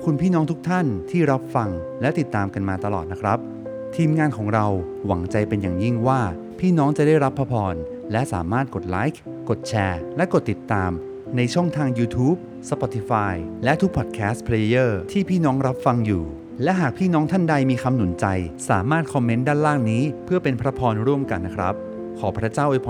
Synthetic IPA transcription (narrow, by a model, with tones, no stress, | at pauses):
kʰu˧npʰiː˥˩nɔː˦˥ŋt̪ʰu˦˥k̚t̪ʰa˥˩nt̪ʰiː˥˩ɾa˦˥p̚fa˧ŋ | lɛ˦˥t̪i˨˩t̪ːaː˧mka˧nmaː˧t̪a˧lɔː˨˩t̪̚na˦˥kʰɾa˦˥p̚ | t̪ʰiː˧mŋaː˧nkʰɔː˩˦ŋɾa˧w | wa˩˦ŋt͡ɕa˧jpe˧nja̰ː˨˩ŋji˥˩ŋwaː˥˩ | pʰiː˥˩nɔː˦˥ŋt͡ɕa˨˩daː˥˩jɾa˦˥pʰːa˧pʰɔː˧n | lɛ˦˥ʔsa̰ː˩˦maː˥˩t̪̚ko˨˩t̪̚laː˦˥jk̚ʰ | ko˨˩t̪̚t͡ɕʰɛː˧lɛ˦˥ʔko˨˩t̪ːi˨˩t̪ːaː˧m | na˧jt͡ɕʰɔ˥˩ŋt̪ʰaː˧ŋjuː˧t̪ʰuː˦˥p̚ | sa˧pɔː˧t̪ʰi˧faː˧jlɛ˦˥ʔt̪ʰu˦˥k̚pʰɔ˨˩t̪̚kʰɛː˦˥st̪pʰɾe˧jɤː˥˩t̪ʰiː˥˩pʰiː˥˩nɔː˦˥ŋɾa˦˥p̚fa˧ŋjuː˨˩ | lɛ˦˥ʔɦaː˨˩k̚pʰiː˥˩nɔː˦˥ŋt̪ʰa˥˩nda˧jmiː˧kʰa˧mnu˨˩˦nt͡ɕa˧jsaː˩˦maː˥˩t̪̚kʰɔ˧mːe˦˥ndaː˥˩nlaː˥˩ŋniː˦˥pʰɯ˥˩ɐpe˧npʰɾa˦˥pʰɔː˧nɾu˥˩əmka˧nːa˦˥kʰɾa̰˦˥p̚ | kʰɔː˩˦pʰɾa˦˥t͡ɕaː˥˩wʔo˧˩jpʰɔ˧